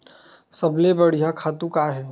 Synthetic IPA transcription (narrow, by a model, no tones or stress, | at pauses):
sɐblebɐɽ̤ijakʰaːt̪ũkaɦɛː